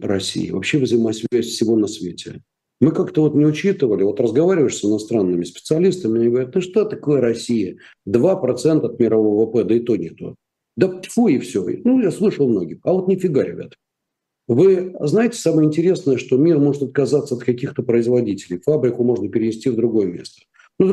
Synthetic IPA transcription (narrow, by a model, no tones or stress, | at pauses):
ɾɐsʲḭjɪ̰vɐpɕːe̞vzəjɪmasʲvʲæsʲfsʲɪvo̞nɐsvʲetʲɪ̰ | mɨkakt̪əvo̞t̪nʲɪʊt͡ɕit̪ɨvəlʲɪvo̞t̪rəzɡɐvaɾʲɪvəjɪʂsɨnɐst̪ɾanːɨmʲɪspʲɪt̪sɨɐlʲist̪əmʲɪnʲɪɡəvɐɾʲɛt̪nɨʂt̪ot̪ɐkojəɾɐsʲijə | d̪vapɾɐt̪sɛnt̪əɐt̪mʲɪɾɐvovvəpɛd̪əɪt̪onʲɪt̪o̰ | d̪at̪ʲfoɪfsʲo̰nujaslˠɨʂəlˠmno̞ɡʲɪxɐvo̞t̪nʲɪfʲɪɡalʲɪ̰vʲɪ̰t̪ | vɨznajɪtʲɪ̥saməjəɪnʲtʲɪɾʲe̞snəjəʂt̪o̞mʲirmo̞ʐɨt̪ɐt̪̚kɐzat̪səɐt̪kɐkʲixt̪əpɾəɪzvɐdʲitʲɪlʲɪ̰jfabɾʲɪkʊmo̞ʐnəpʲɪɾʲɪnʲɪsʲtʲivd̪ɾʊɡo̞jəmʲḛst̪ə̥ | nud̪